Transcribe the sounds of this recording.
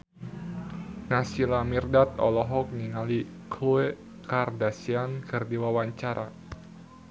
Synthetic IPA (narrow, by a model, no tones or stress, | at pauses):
nasilamirdat̪̚ɔ̰lɔɦɔk̚niŋali | kluɛ | kardasiankɨrdiwawaɲt͡ʃaɾʔa